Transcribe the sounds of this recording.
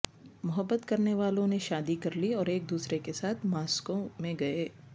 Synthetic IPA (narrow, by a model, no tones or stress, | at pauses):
mʊɦəbːət̪kɐɾneʋaːlõneʃaːd̪ikɐɾliɔːɾeːk̚d̪uːsɾekesaːt̪ʰmaːskõmẽɡɐeː